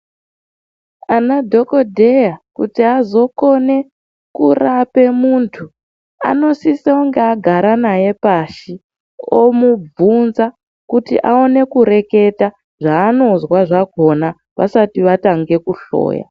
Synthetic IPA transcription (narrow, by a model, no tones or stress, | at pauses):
anadʱo̞ko̞dʱe̞jakṵtiazo̞ko̞ne̞ | kurape̞muntʰu | a̰no̞sisaoŋɡeaɡʱaɾanaje̞paʃi | o̰mub͡vunza | kutḭʔaone̞kuɾe̞ke̞ta | ʐaːno̞zwaʐako̞na | ʋa̰satiʋataŋɡe̞kuɬo̰ːja̰